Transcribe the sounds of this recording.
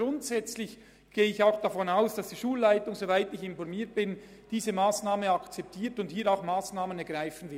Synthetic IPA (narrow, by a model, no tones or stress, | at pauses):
ɾʊntsɛt͡slɪç | ɡ̥eːəɪçaʊxd̥afɔnaʊsd̥asd̥iːʃuːlːaɪtʊŋzovaɪtɪçɪnfɔɾmiːt̚b̥ɪn | d̥iːzəmaːsnaːməɑkt͡sɛp̚tʰiːtʊnthiːɾaʊxmaːsnaːmənɛɐɡ̥ʁaɪfən̩vɪ